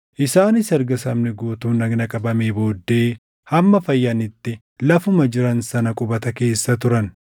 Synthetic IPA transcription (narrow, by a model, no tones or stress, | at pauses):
ʔɪsaːnɪsɛɾɡɐsɐmnɛɡoːt̪uːnɐɡnɐkʼɐbɐmeːbo̞ːd̪ːe̞ː | hɐmːɐfɐjːɐnɪt̪ːɪ | lɐfʊmɐd͡ʒɪɾɐnsɐnɐkʼʊbɐt̪ɐke̞ːsːɐt̪ʊɾɐn